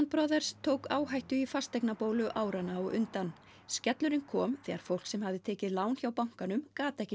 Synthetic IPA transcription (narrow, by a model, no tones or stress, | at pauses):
nt̪pɾɔðɛɾ̥st̪ʰoːwkaːwɦajht̪ʏifast̪ɛjknapoːwlʏʔaːwɾanaːwʔʏ̰nt̪an | scɛt̪lʏɾɪnkʰɔːmθɛːɣaɾ̥fowl̥ksɛmhavðɪt̪ʰɛːcɪðlaːwnçjawpawŋ̥kanʏmkaːt̪ɛhcɪ